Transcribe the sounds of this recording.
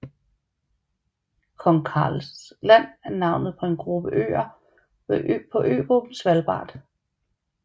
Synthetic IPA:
kʰɒŋkʰɑ̰ːlslæn̰æɐnɑ̈ʊ̰nð̞̩ˠpʰɒ̽e̝nɡ̥ʁub̥əʔø̰ːɐ | ʋpʰɒ̽ʔø̰ːɡ̥ʁub̥n̩sʋælb̥ɑ̰̈ːd̥

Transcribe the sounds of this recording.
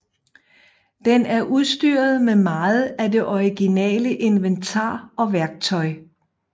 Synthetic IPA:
d̥enæɐʔuðˠsd̥yːɐð̞̩ˠmemɑ̈ːð̩ˠæde̝ʔɒiɡ̥inɛ̰ːləʔe̝nʋent͡sʰɑ̰̈ːɒ̽ʋæɐɡ̥̚t͡sʰɒ̽ɪ

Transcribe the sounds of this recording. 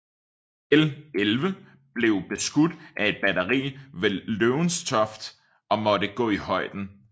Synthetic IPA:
elelʋə | b̥le̝ʊb̥e̝sɡ̥ud̥ʔæe̝d̥̚b̥æɾɐʁḭːʋeløʊnst͡sʰɒ̽fd̥ | ʔɒ̽mɒ̽ɾəɡ̥ɔ̰̽ːihɒ̽ɪ̰d̥n̩

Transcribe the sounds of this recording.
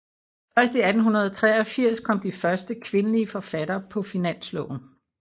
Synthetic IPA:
fɶɐsd̥əiæd̥n̩ɦunɐð̞̩ˠɒt͡sʰʁɛːɒ̽fiɐ̰skʰɒ̽m̰d̥ifɶɐsd̥əkʰʋe̝nəliəfɒ̽fæɾ̥ɐːpʰɒ̽finæn̰slɔʊ̰n̩

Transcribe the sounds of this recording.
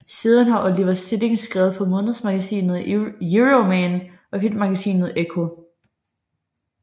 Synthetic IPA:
seðˠənhɑ̈ʔɔ̽liʋɐsd̥eleŋsɡ̥ʁɛʊð̩ˠfʰɒ̽mɔ̽ːnðˠsmɑ̈ɡ̥æsḭːnð̩ˠjuʁomæn | ʔɒ̽filmɑ̈ɡ̥æsḭːnð̩ˠekʰo̝

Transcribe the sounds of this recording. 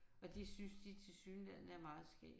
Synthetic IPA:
ɒ̽d̥e̝synsd̥it͡sʰe̝lsyːnlæð̰ˠnəæɐmɑ̈ːð̞̩ˠsɡ̥ɛ̰ː

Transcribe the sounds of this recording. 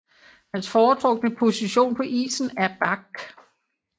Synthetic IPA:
hænsfɒːt͡sʰʁɔ̽ɡ̥dnəpʰo̝siɕo̝̰ːnpʰɒ̽ʔḭːsn̩æɐb̥ɑɡ̥

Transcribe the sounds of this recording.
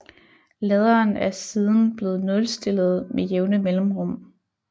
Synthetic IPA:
lɛð̞ˠɐːnæɐsiːð̞ˠn̩b̥le̝ːð̞̩ˠnɔ̽lsd̥e̝lð̞̩ˠmejeʊnəmelm̩ʁɔ̽m̰

